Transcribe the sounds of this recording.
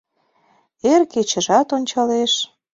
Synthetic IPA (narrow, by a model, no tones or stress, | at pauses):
erket͡ɕə̆ʒɑt̪onʲt͡ɕɑleʃ